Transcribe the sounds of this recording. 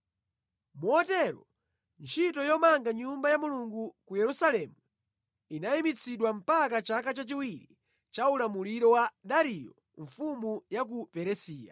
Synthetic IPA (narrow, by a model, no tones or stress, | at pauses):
muɔtɛɾɔ | nt͡ʃʰitɔjɔmaŋɡaɲumbajamuluŋɡukujɛɾusalɛmu | inaimit͡sʰiɗwam̩pakat͡ʃakat͡ʃat͡ʃiwiɾi | t͡ʃaulamuliɾɔwaɗaɾijɔ | ɱfumujak̬upɛɾɛsiːja̰